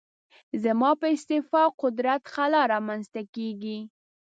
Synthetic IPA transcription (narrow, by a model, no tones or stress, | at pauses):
zəmɑpəɪst̪ɪfɑqʊd̪ɾat̪xalɑɾɑmanzt̪akeɡi